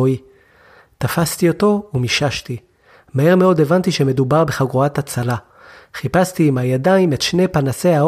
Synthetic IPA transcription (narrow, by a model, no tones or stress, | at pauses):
oi | tafast̪io̞to̞umiʃaʃti | mahe̞ʁme̞o̞de̞vant̪iʃe̞me̞dubaʁbe̞χaɡʁoatat͡sala | χipastiːmajadaimetʃne̞panase̞a